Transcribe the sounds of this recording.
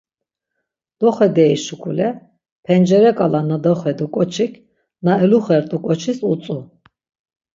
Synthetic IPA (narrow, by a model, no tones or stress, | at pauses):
d̪̥ɔχɛd̪ɛiʃukʰʼulɛ | pʰɛnd͡ʒɛɾɛkʼalanad̪ɔχɛd̪ukʼɔt͡ʃʰikʰ | naɛluχɛɾt̪ʼukʼɔt͡ʃʰisut͡sʼu